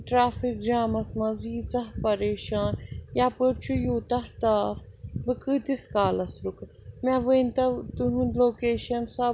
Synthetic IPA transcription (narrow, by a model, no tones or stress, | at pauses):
ʈɾaːfik̚d͡ʒaːmɐsmɐziːt͡sɐɦpɐɾeːʃaːnjaːpɨɾt͡ʃʰujuːt̪ɐht̪aːf | bɨkɨːt̪iskaːlɐsɾuk | mʲɐʋɨnʲt̪ɐt̪ɨɦunloːkeːʃɐnsaː